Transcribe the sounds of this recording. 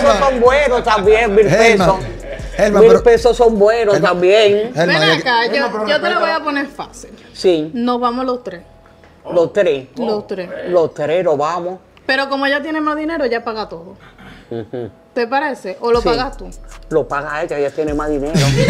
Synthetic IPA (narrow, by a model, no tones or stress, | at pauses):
sosombwenot̪ambjẽŋmileso | elmamilpesosombwenot̪ambjẽŋeeakaoot̪eloβojaponeɾfa̰sil | sinoβamolost̪ɾe | lost̪ɾelost̪ɾeslot̪ɾehloβamo | pe̞ɾo̞ko̞moʝat̪̬jenemaɦðine̞ɾoʝapaɣat̪o̞ðõ | t̪e̞paɾe̞se̞ʔolosaɣast̪ulopaɣaet͡ʃaʝat̪jenemaðineɾo